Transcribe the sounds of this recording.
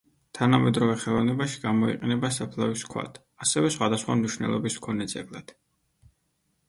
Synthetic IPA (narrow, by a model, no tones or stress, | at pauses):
t̪ʰanamɛd̪ɾɔvɛχɛlˠɔvnɛbaʃi̥ɡamɔḭqʼɛnɛbasapʰlˠaviskʰwa̰t̪ʰ | asɛvɛsχwad̪asχwa̰mniʃnɛ̰lˠɔbiskʰɔnɛd̪zɛblˠad̪̥